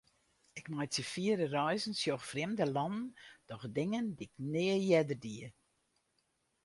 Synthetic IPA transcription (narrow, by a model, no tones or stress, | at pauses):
ɪkmajtəfiəɾərœjznsjoxfrɪmdəlɔnən̩d̥ɔxdɪŋəndiɪknɪəjɛdərdiə